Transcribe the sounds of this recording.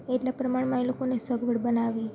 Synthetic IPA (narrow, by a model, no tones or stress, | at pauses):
eʈlapɾəmaɳ̃mãilokonesəɡʱʋəɽbənaʋi